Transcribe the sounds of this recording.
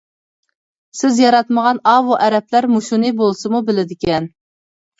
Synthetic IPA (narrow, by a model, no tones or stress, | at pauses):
sɪzjɑɾɑt̪məʁɑnɑvuʔɛɾɛplæɾmuʃunɨbolˠsɨmubɪlɪd̪ɪkʲɛn